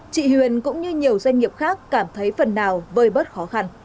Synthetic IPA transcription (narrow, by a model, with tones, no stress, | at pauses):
t͡ɕḭ˧˨hwi˨˩ənkʊ̰˧˥ŋ͡mɲɨ˧ɲi˨˩əwzwɛ˧jŋ̟ŋi˨˩əp̚xaː˦˥kːaː˧˩mt̪ʰə˨˦jfə˨˩nːaː˨˩wvəː˧˩jɓə˦˥t̚xɔ˨˦xa˧n